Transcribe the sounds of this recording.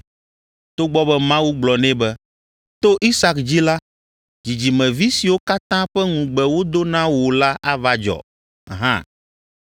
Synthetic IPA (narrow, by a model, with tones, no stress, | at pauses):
t̪o˦ɡ͡bɔ˦bɛ˦mã˦wu˦ɡ͡blɔ˨nɛ̃˦bɛ˦ | t̪o˦ʔi˦sa˦kd͡ʑi˦la˦ | d͡ʑi˨d͡ʑi˨mɛ̃˨vi˦si˨wo˦ka˦t̪ã˦ɸɛ˦ŋũ˨ɡ͡bɛ˨wo˦d̪o˦nã˦wo˨la˦ʔa˦va˦d͡ʒɔ̰˨ | ɦã̰˦